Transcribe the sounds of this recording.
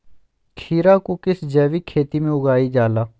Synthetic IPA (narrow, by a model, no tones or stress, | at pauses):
kʰiːɾaːkokɪsd͡ʒɛːʋiːkʰeːt̪iːmẽʊɡaːiːd͡ʒaːlaː